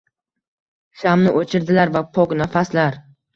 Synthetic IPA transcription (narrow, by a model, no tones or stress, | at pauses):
ʃamnɪʔot͡ʃʰɪɾd̪ɪlaɾvapʰɔknafaslaɾ